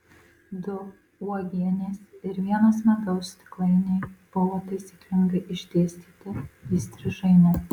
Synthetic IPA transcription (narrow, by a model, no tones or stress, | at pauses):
d̪ʊ | uɔɡʲiɛnʲeːsɪɾʋʲiɛnoːsmʲɐɡ̪ɐʊst̪ʲɪ̥klˠɐɪnʲeɪb̥ʊʋoːt̪ɐɪsʲiːklʲɪŋɡɐɪʔɪʒʲd̪ʲeːsʲt̪ʲiːt̪ʲɪiːsʲt̪ʲɾʲɪʒɐɪmʲɛ